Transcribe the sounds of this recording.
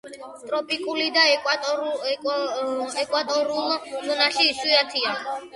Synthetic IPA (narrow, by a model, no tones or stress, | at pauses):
t̪ʼɾɔpʼikʼulid̪a | ɛkʼwat̪ʼɔɾulˠlɔnaʃiːsuat̪ʰia